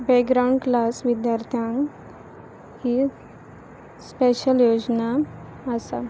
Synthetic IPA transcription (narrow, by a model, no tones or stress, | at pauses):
bɛkɡɾawɳɖklasʋid̪jaɾt̪ʰjãŋk | hi | speɕəljod͡zna | əsa